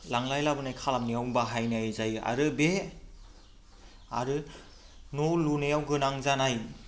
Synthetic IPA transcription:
laŋlajlabɯnajkʰalamnijawbaɦajnajzaja̰ɾɯbe | a̰ɾɯ | nolunejawɡɯnaŋzanaj

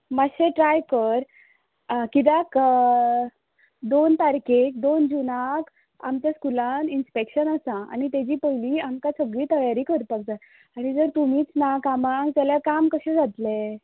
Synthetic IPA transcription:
maɕẽʈɾajkəɾ | kid̪ak | d̪ont̪aɾkek̚d̪ond͡ʑunak | amt͡ɕaskulaninspekɕənəsãa̰nit̪ed͡ʑiːpəjliːamkasəɡɭiːt̪əjaɾiːkəɾpək̚d͡za | aɽ̃id͡zəɾt̪umiːt͡snakamaŋɡt̪aljakamkəɕẽd͡zʱat̪le

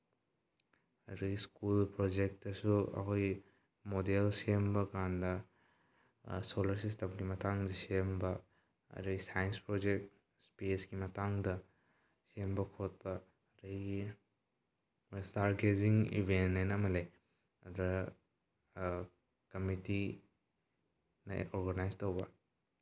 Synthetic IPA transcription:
ɐ̰ɾuɡiskulpɾod͡ʒek̚tɐsuɐ̰kʰoj | modelsembɐkandɐ | solɐɾsistɐmɡimɐtaŋdɐsembɐ | ɐ̰ɾɐɡisajenspɾod͡ʒek̚t̚ | spisɡimɐtaŋdɐ | sembɐkʰot̚pɐ | ɾɐjɡi | staɾɡeziŋḭbʱenːenɐmɐle | ɐdɔɾɐ | kɐmiti | nɐ̰oɾɡɐnajstɐwbɐ

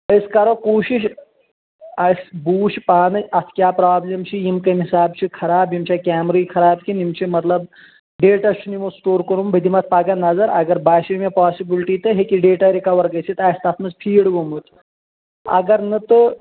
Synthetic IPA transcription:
əjskaɾokoːɕiʃ | ɐsbuːʃpaːnɨɐsʰkʲjaːpɾaːblɐmt͡ʃʰijimkɐmɦisaːbt͡ʃʰikʰɐɾaːbjimt͡ɕakʲaːmɾɐikʰɐɾaːb̚kʲinimt͡ʃʰimɐt̪lɐb | ɖeːʈɐst͡ʃʰunimosʈoːɾkəɾumbɐd̪imɐt̪̚ʰpaːɡɐnɐzɐɾɐ̰ɡɐɾbaːʃimepaːsibilʈiːt̪ɨɦekiɖeːʈaɾikɐʋɐɾɡɐt͡sʰit̪aːst̪at̪ʰmɐt͡spʰiːɽɡomut̪ | ɐ̰ɡɐɾnɐt̪ɨ

